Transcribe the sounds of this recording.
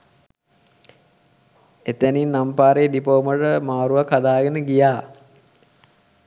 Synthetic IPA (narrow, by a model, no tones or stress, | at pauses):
et̪æninːampaːɾeːɖipoməʈəmaːɾuʋakad̪aːɡənəɡijaː